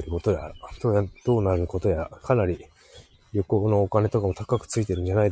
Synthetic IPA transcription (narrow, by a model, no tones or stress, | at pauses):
eɾɯ̟ko̞t̪o̞ja̰t̪oːjad̪̥o̞ːnaɾɯ̟ko̞t̪o̞jakʰanaɾʲi | joko̞ːno̞okane̞t̪o̞kamo̞t̪ʰakakɯ̟̥t͡sɨit̪e̞ɾɯ̟̃ɲ̟d͡ʑanaid̪